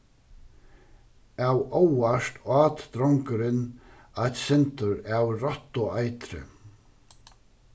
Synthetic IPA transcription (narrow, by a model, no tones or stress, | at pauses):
awʔowaʂt̪aːt̪d̪ɾɔŋkʏɾɪn | ajt̪sɛnt̪ʊɾawrɔht̪ːɔajt̪ɾɪ̰